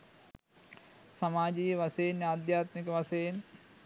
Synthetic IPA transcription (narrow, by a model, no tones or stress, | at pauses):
sɐmaːd͡ʒiːjʋɐseːnaːd̪jaːt̪mikɐʋɐseːn